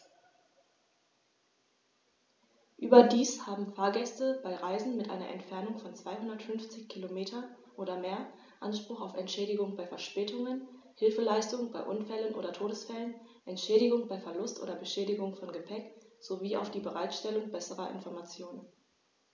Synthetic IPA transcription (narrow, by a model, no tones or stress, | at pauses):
ʔyːbɐdiːshaːbm̩faːɐɡɛstəb̥aɪʁaɪzn̩mɪtʔa̰ɪnɐ̰ʔɛ̰ntfɛɐnʊŋfɔnt͡sv̥aɪɦʊndɐtfʏnft͡sɪçkʰilomeːtʰɐʔoːɾɐmeːɐ | ʔanʃpʁ̥ʊχaʊfɛntʃɛːɾɪɡʊŋbaɪfɛɐʃpɛːtʰʊŋən | hɪlfəlaɪstʊŋbaɪʔʊnfɛlənʔo̰ːdɐtʰoːɾəsfɛlən | ʔɛntʃɛːɾɪɡʊŋbaɪfɛɐlʊstʔo̰ːdɐbəʃɛːdɪɡʊŋfɔnɡəpʰɛkz̥oviːa̰ʊfd̥iːbəʁaɪtʃtɛlʊŋbɛsəʁɐʔɪ̰nfɔɐmat͡sjoːnən